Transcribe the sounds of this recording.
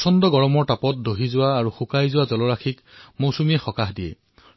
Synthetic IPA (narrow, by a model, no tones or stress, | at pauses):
sɔndɔɡɔɹɔmɔɹtapɔt̚doɦizʊwaːɹuxukajzʊwazɔlɔɹaxʰik | mowsumiɛxɔkaxdijɛ̰